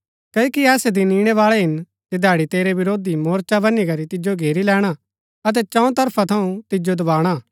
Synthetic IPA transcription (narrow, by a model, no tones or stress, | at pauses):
kɐkiɛːsɛd̪iniːɽ̃ɛʋaːɭɛɦɪn | t̪ed̪ʱaːɽit̪eːɾeʋɪɾoːd̪imoːɾt͡ʃabɐnːikɐɾit̪ɪd͡ʒoɡʱeːɾilɛːɽ̃a | ɐt̪̬ɛt͡ʃɐ̃ɔ̃t̪ɐɾpʰat̪ʰɐũt̪ɪd͡ʒod̪ɐbaːɽ̃aː